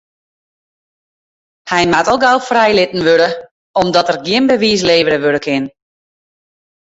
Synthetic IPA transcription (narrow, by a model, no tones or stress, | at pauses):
hɛjmatɔlˠɡawfrɛjlɪtn̩ʋøɾə | ɔmdɔtərɡjɪnbəʋiːs̬leːʋəɾəʋødəkʰɪn